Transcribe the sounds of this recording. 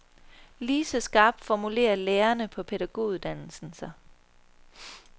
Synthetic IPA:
liːsəsɡ̥ɑ̈ːb̥̚d̥fɒmule̝̰ːɐleːɐnəpʰɒ̽pʰe̝d̥æɡ̥o̝̰ːuðˠd̥æn̰l̩sn̩sɑ

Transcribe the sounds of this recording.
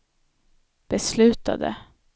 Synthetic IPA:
b̥əslʉːt̪a̰d̪ə̰

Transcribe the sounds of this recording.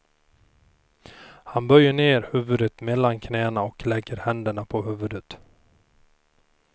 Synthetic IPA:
hanbœɾjːəɳeːɾhʉːvɵd̪ət̪mɛlːankʰnɛːnaɔklɛɡːəɾhɛnd̪əɳapʰɔhʉːvɵd̪ət̪

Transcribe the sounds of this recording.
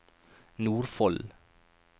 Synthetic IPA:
nuːɾfɔl

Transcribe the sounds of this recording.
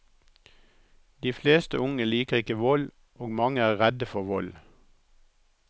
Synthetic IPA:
d̪̥iːfleːst̪əʊŋəliːkəʁɪkəʋɔl | oːɡmɑŋəæːʁɛd̪əfɔʋɔl

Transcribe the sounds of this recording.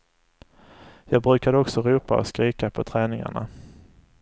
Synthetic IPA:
jɑːɡ̚bɾʉ̟ːkad̪əɔksɔɾuːpa̰ɔ̰skɾiːkapʰɔt̪ʰɾɛːnɪŋa̰ɳa̰

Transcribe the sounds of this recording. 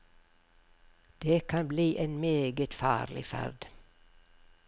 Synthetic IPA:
d̪̥eːkʰɑnbliːʔeːnmeːɡət̪fɑ̰ːɾlɪ̰fæ̰ɾd̪

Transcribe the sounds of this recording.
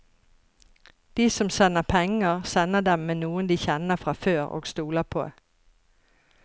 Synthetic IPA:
d̪̥iːsɔmsɛnəpʰɛŋəsɛnəd̪ɛmmeːnuːənd̪iːçɛnəfʁɑføːʁo̰ːɡst̪uːləpʰo̰ː

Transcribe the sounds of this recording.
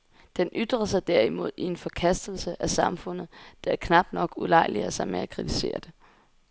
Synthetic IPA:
d̥enʔyd̥ʁɐsɑ̈ɪd̥æɐimo̝ð̞̰ˠie̝nfɒ̽kʰæsd̥l̩səʔæsɑ̈mfɔ̽n̰ð̞̩ˠd̥ɑ̈kʰnɑ̈b̥̚d̥nɒ̽ɡ̥ulɑ̈ɪlḭɐsɑ̈ɪmeækʰʁit͡sʰi̥se̝̰ːɐd̥e̝

